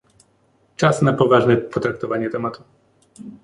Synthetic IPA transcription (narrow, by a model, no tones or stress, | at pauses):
t͡ʂasnapɔvaʐnɛpɔt̪ɾak̚t̪ɔvaɲɛt̪ɛmat̪u